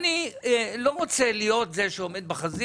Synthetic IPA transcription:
nilo̞ʁot͡selijo̞t̪zeʃeome̞d̪̚beχazi

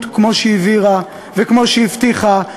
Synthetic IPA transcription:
t̪kmo̞ʃeiviʁa | vekmo̞ʃeift̪iχa

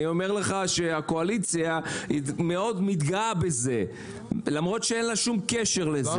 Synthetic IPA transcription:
io̞meʁle̞χaʃe̞ako̞alit͡sjaime̞o̞d̪mit̪ɡaabe̞ze̞ | lamʁo̞t̪ʃeenlaʃumkeʃe̞ʁlez

